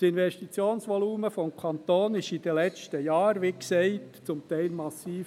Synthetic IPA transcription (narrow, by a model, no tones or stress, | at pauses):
sɪnʋɛʃtit͡sjoːnsʋɔluːməfɔmkʰɑnt̪oːnɪʃid̥̪əlɛt͡ʃtəjɑːɾʋiksɛɪtt͡sʊmt̪ɛɪlmɑsiːf